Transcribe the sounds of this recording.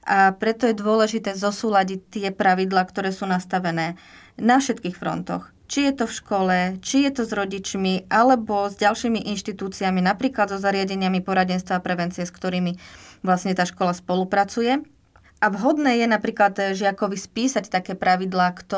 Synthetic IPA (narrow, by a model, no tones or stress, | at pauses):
ʔapɾɛt̪ɔjɛd̪ʊɔlɛʒit̪ɛːzɔsuːlaɟic̚t̪ːɪɛpɾaʋid̪laːkt̪ɔɾɛːsuːnast̪aʋɛnɛː | nafʃɛt̪kiːxfɾɔ̰nt̪ɔ̰x | t͡ʃijɛt̪ɔfʃkɔlɛt͡ʃijɛt̪ɔzɾɔɟit͡ʃmiʔalɛbɔzɟalʃiːmiʔinʃt̪it̪uːt͡siaminapɾiːklad̪zɔzaɾɪaɟɛɲɪamipɔɾaɟɛnst̪ʋaːpɾɛʋɛnt͡siɪɛskt̪ɔɾiːmiʋlasɲɛt̪aːʃkɔlaspɔlupɾat͡sujɛ | ʔaʋɦɔd̪nɛːjɛnapɾiːklad̪ʒɪakɔʋispiːsact̪akɛːpɾaʋid̪laːkt̪ɔ